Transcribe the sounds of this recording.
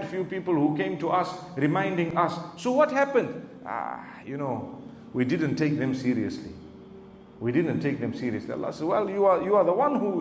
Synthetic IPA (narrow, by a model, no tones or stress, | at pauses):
dfjupiːpəlhukẽɪ̃mtuʔasɹimãɪ̃ndɪ̃ŋasːowɔthæpə̃ndʔa̰ | junoʊ | widɪdə̃ntʰːek̚ðɛ̃msiɾiəslḭ | widɪdə̃ntʰeɪk̚ðɛ̃msiɾiəslia̰lːɑ̰sɛdwɛljuajuaðəwãnhu